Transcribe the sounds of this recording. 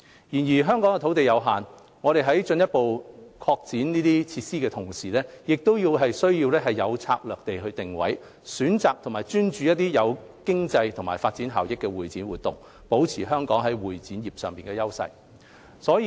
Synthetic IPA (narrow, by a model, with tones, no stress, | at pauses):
jiː˨˩njiː˨˩ɦœː˥ŋkɔː˨˥ŋɛ˧t̪ʰwt̪e˨jɐ˨˧wɦaː˨n | ŋɔː˨˧ɾe˨jɦɐ˨˥jt͡ʃɵ˧njɐ˥t̚po˨wkʰɔː˧k̚t͡siː˨˥nniː˥t̪iː˥t͡sʰiː˧t̚siː˥kɛː˧t̪ʰʊ˨˩ŋsiː˨˩lɛː˥jɪ˨k̚t̪o˥wjiː˧wɦɐ˨jsɵ˥ɥjiː˧wlɛː˥ɦɐ˨jːɐ˨˧wt͡sʰa̰ː˧k̚lœː˨k̚t̪e˨jɦɵ˧t̪ɪ˨ŋwɐ̰˨˥j | syː˨˥nt͡saː˨k̚t̪ʰʊ˨˩maː˨˩jt͡ʃyː˥nt͡ʃyː˨jɐ˥t̚t̪iː˥jɐ˨˧w | kɪ˥ŋt͡sɐ˧jt̪ʰʊ˨˩ŋma̰ː˨˩jfaː˧t̚t͡siː˨˥nɦa̰ː˨˩wjɪ˨kːɛː˧wuː˨jt͡siː˨˥nwuː˨t̪̚ʊ̰˨ŋ | po˨˥wt͡sʰiː˨˩ɦœː˥ŋkɔː˨˥ŋɦɐ˨˥jwuː˨˩jt͡siː˨˥njiː˨˩p̚sœː˨˩ŋpiː˨˩nkɛː˧jɐ˥wsɐ̰˧j | sɔː˨˥ji˨